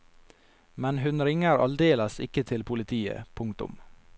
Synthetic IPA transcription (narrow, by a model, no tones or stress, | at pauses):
mɛnɦʉnɾɪŋəɾɑ̰ld̪eːləsɪ̰kət̪ʰɪlpʰʊlɪt̪ʰiːə̰pʰʊŋkt̪ʊ̰m